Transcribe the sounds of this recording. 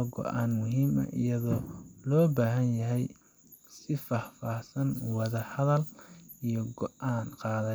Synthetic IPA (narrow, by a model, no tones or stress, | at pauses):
ɡɔ̰ʔaːnmʊɦiːmɐ̰ʔḭjɐðɔːlɔːbaːɦɐnjɐɦɛj | sɪfɑːhfaːhsɐnwɑðɐhɐðɐlijɔɡɔʔʔaːnqɑːðɐ